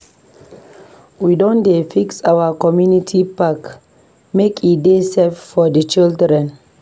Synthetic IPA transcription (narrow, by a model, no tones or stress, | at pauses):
widõndefiksawəkɔmjunitʰipak | mekʰideseffɔdət͡ʃildɾɛ̃n